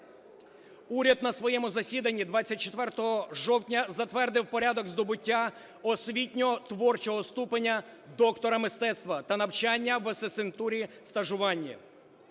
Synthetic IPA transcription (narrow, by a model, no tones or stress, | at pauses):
uɾʲɐd̪nɐsʋɔjɛmʊzɐsʲid̪ɐnʲːid̪ʋɑt͡sʲːɐt̚ʲt͡ʃet̪ʋɛrt̪ɔɦɔʒɔwtʲnʲɐzɐt̪ʋɛrd̪ɪwpɔɾʲad̪ɔɡzd̪ɔbʊtʲːa | ɔsʲʋʲitʲnʲɔɔt̪ʋɔrt͡ʃɔɦɔst̪upenʲːɐ | d̪ɔkt̪ɔɾɐmɪst̪ɛt̪st̪ʋɐt̪ɐnɐwt͡ʃanʲːɐʋɐsesɪnt̪uɾʲist̪ɐʒʊʋɑnʲːi